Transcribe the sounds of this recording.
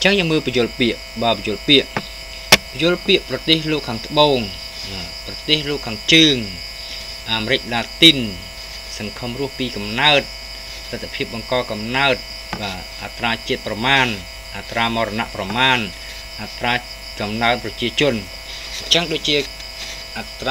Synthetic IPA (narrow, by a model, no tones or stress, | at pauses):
ɲt͡ɕəŋjəːŋməːlpɑjʊ̆əlpiəʔ | ɓaːpjʊ̆əlpiəʔ | pjʊ̆əlpiəʔprɑt̪eːhloːkʰːaːŋt̪ə̆ɓoːŋ | ɓaː | prɑt̪eːhloːkʰːaːŋt͡ɕəːŋ | ʔaːmeɾɨc̚laːt̪in | sɑŋkʰəmrʊ̆əhpiːkɑmnaət̪̚ | t̪ɨt̪ʰːapʰiəp̚ɓɑŋkɑːkɑmnaət̪̚ | ɓaː | ʔat̪raːt͡ɕiət̪̚prɑmaːn | ʔat̪raːmɑːɾɔna̰ʔprɑmaːn | ʔat̪raː | kɑmnaənprɑt͡ɕiət͡ɕʊ̆ən | ɲt͡ɕəŋɗoːc̚t͡ɕiə | ʔat̪